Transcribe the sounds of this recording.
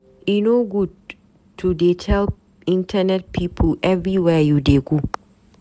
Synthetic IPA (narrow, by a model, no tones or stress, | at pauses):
ʔinoɡud | tʰːudetʰɛlp | ɪ̃ntʰɐnɛt̚pʰiːpʰəlʔɛvɾiwɛjudeɡu